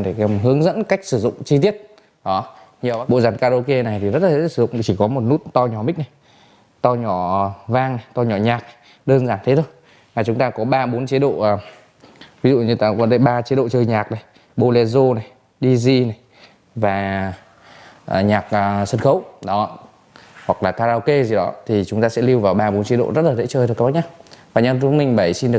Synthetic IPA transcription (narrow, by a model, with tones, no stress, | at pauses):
ɗe˧˩ɦɨ˨˦əŋzə̰˧˥nka˦˥jk̟̚sɨ˧˩zʊ̰˧˨ŋ͡mt͡ɕi˧t̪i˦˥ət̚ | ɗɔ˨˦ | ɲi˨ə˨˩wa˦˥ɓo̰˧˨zaː˧˩nkaː˧ɗo˧ke˧na˨˩jt̪ʰi˨˩zə˦˥t̚la˨˦sɨ˧˩zʊ̰˧˨ŋ͡mt͡ɕi˧˩kɔ˨˦mo˨˩t̚nu˦˥t̚t̪ɔ˧wɲɔ˧˩mï˦˥k̟̚na˨˩j | t̪ɔ˧ɲɔ˧˩vaː˧ŋna˨˩jt̪ɔ˧ɲɔ˧˩ɲaː˨˩k̚na˨˩j | ɗəː˧nzaː˨˩nt̪ʰe˨˦t̪ʰo˧j | vaː˨˩t͡ɕʊ˨˦ŋ͡mt̪aː˧kɔ˨˦ɓaː˧ɓo˨˦nt͡ɕe˨˦ɗo̰ː˧˨˩ | vi˨˦zṵ˧˨ɲɨ˧t̪ːkɔ˨˦ɗə˧jɓaː˧t͡ɕe˨˦ɗo̰˧˨t͡ɕəː˧jɲaː˨˩k̚na˨˩j | ɓo˧lɛ˧zo˧na˨˩j | ɗi˧zi˧na˨˩j | vaː˨˩ | ʔɲaː˨˩k̚ʔːswə˧nxə˨˦wɗɔ˨˦˧ | hwa˨˩k̚laː˨˩kaː˧zaː˧wke˧zi˨˩ɗɔ˨˦t̪ʰi˨˩t͡ɕʊ˨˦ŋ͡mt̪aː˧sɛ̰˧˥li˧wvaː˨˩wɓaː˧ɓo˨˦nt͡ɕi˨˦ɗo̰˧˨zə˦˥t̚laː˨˩zḛ˧˥t͡ɕəː˧˩jk̚ːɲaː˧vaː˨˩ɲa˧ʊ˨˦mï˨˩ŋ̟ɓə˧˩jsi˧nɗɨ˨˩ə